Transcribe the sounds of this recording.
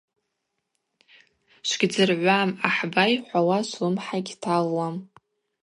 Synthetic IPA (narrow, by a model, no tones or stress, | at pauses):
ʃʷɡʲd͡zɨrʕʷamaħbajħʷawaʃʷɨmħaɡʲtʰalːam